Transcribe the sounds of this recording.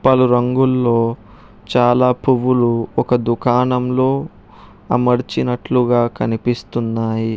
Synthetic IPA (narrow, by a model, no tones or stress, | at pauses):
pɐluɾɐŋɡulːo̞ː | t͡ʃaːlaːpuʋuluɔkɐd̪ukaːnɐmlo̞ː | ɐmɐɾt͡ʃinɐʈluɡaːkɐnipist̪unːaːji